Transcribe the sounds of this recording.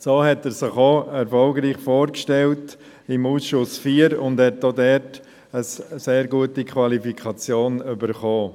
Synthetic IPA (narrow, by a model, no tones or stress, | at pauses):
soːhɛtɛːɾsɪχoɛɾfɔlɡɾiːχfoːɾkʃtɛlt | ɪmuːsʃʊsfiːəɾʊndhɛt̚doːdɛɾt | əsseːɾɡuətikʰvɑlifikʰɑt͡sjoːnybəɾχoː